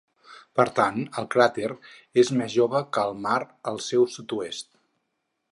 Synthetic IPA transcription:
pəɾt̪anəlˠkɾat̪ɛɾezmezʒoβəkəːlˠmaɾəlˠsɛwsut̪uest̪̚

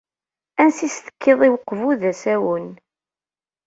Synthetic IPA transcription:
ænsist̪ə̥kːeðˤiwəqːvuðæsæwən

